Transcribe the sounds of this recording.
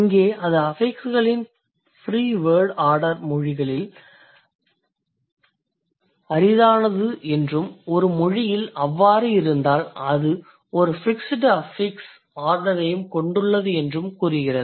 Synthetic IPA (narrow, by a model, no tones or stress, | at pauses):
ɐŋɡeːʔɐnðɐɐfɐɪksɯɣɐɭɪn | fɾiːʋeːɖaːɾɽɐɾmɔɻɪɣɐɭɪl | ɐɾɪðaːnɐðɯʔɛndrɯmɔɾɯmɔɻɪjɪlɐʋːaːɾɯɪɾɯnd̪aːlɐðɯ | ɔɾɯfɪksɪʈːɐɐfɪks | aːɾɽɐɾɐjɯmkɔɳɖɯɭːɐðɯɛndrɯmkuːrɯɣɪrɐðɯ